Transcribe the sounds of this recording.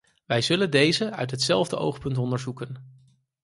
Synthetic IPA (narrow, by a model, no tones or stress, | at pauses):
ʋɛjzɵləndejzəœ̰ɥtɦətsɛlˠvdəʔo̰wχpɵntɔndəɹzukən